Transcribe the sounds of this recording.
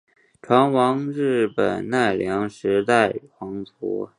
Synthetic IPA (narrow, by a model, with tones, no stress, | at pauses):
ʈ͡ʂʰwa˧˥nwɑ˧˥ŋɻɻ̩˥˩pə̰˨˩nna˥˩ɪljɑ˧˥ŋʂɻ̩˧˥t̪a˥˩ɪxwɑ˧˥ŋt͡sʰṵ˧˥